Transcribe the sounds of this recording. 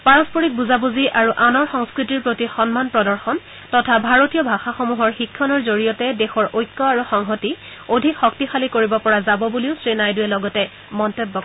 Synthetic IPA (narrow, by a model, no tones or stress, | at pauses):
paɹɔspoɹik̚buzabuziʔaɹuʔanɔɹxɔŋskɹitiɹpɹotixɔnmanpɹɔdɔɹxɔn | tɔtʰabʱaɹotijɔbʱaxaxomuɦɔɹxikʰːɔnɔɹzoɹijɔtɛdexɔɹʔojkːɔaɹuxɔŋɦɔti | odʱikxɔktixalikoɹibɔpɔɹazabɔbuliʊsɹinajdujɛlɔɡɔtɛ | mɔntebːɔk